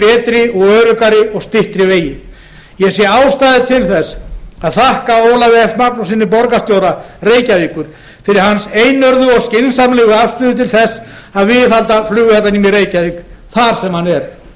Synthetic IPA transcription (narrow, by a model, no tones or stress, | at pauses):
ɛːt̪ɾɪɔɣœːɾʏkaɾɪɔɣst̪ɪht̪ɾɪveːjɪ | jɛsjɛaːwst̪aːðɪt̪ʰɪlθɛsaðθahkaoːwlavɛɛft̪mak̚nɔsɪnːɪpɔɾkast̪jowɾareːjcaviːkʏɾ̥ | fɪɾɪɾ̥ɦanseːjnœɾðʏɔɣscɪnsamlɛːɣʏafst̪ʏːðʏt̪ʰɪlθɛsː | aðvɪðalt̪aflʏːɣʏθɛt̪ːanimjɛɾeːjcaviːkθaɾ̥sɛmhanɛɾ̥